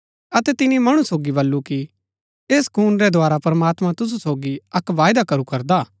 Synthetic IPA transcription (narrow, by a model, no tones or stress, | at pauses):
ɐt̪ɛt̪ɪnimɐɽ̃ũsoːɡibɐlːuki | eːskuːnɾɛd̪ʱoaːɾapɐɾɐmaːt̪mãt̪ʊs̬usoːɡiɐkʋaːjd̪akɐɾukɐɾd̪aː